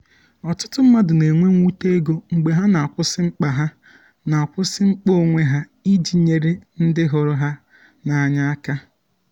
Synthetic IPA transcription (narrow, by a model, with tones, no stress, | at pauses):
ɔ˨tʊ˦tʊ˦m̩˦ma˦dʊ˨ne˨ŋʷe˦ŋʷu˦te˦e˦ɡo˦ŋ͡m̩˨ɡ͡be˨ɦa˦na˨a˨kʷʊ˦sɪ˦ŋ͡m̩˦k͡pa˨ɦa˦ | na˨a˨kʷʊ˦sɪ˦ŋ͡m̩˦k͡po˦˨ŋʷe˦ɦa˦ | i˦d͡ʒi˨ɲe˨ɾe˦n̩˦dɪ˦ɦʊ˨ɾʊ˦ɦa˦ | na˨ɲa˦a˦ka˦